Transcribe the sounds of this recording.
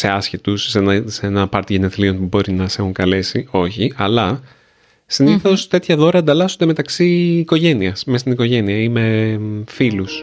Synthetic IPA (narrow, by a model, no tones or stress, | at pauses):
se̞ɐsçit̪usːenɐsenɐpɐɾt̪iʝeneθlio̞npubo̞ɾinɐse̞xuŋkɐle̞sio̞çiʔɐlɐ | siniθo̞st̪e̞t̪çɐðo̞ɾɐːnd̪ɐlɐsond̪e̞met̪ɐksiːko̞ʝe̞niɐsmest̪iniko̞ʝe̞niɐime̞filus